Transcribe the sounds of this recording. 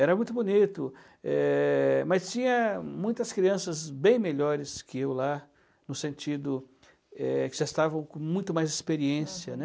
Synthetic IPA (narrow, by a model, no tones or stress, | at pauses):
ɛɾɐmũj̃t̪ʊbonit̪ʊ | ɛmɐst͡ʃĩɲɐmũj̃t̪ɐskɾiɐ̃sɐzbẽj̃meʎɔɾɪskɪewla | nʊsẽnt͡ʃid̪ʊ | ɛkɪʒaɪst̪avɐ̃w̃kõmũj̃t̪ʊmajzɪspeɾiẽsiɐnɛ